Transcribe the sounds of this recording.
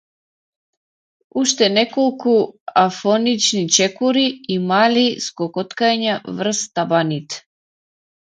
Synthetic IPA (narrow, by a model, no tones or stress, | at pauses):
uʃt̪ɛnɛkolˠkuafɔnit͡ʃnit͡ʃɛkuɾiːmaliskɔkɔt̪kaɲavr̩st̪abanit̪